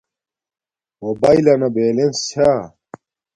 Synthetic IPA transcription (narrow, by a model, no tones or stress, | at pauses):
mobailɐnɐbeːlensʰa